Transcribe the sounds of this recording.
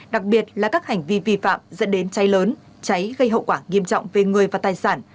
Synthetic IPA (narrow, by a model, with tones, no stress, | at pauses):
ɗa˨˩k̚ɓi˨˩ət̚laː˨˩kaː˦˥k̚ha˨˩jŋ̟vi˧vi˧fa̰ː˧˨mzə̰˧˥nɗe˨˦nt͡ɕa˨˦jləː˨˦n | t͡ɕa˨˦jɣə˧jɦə̰˧˨wkwaː˧˩ŋi˧əmt͡ɕɔ̰˧˨wŋ͡mve˨˩ŋɨ˨˩əjvaː˨˩t̪aː˨˩jsaː˧˩n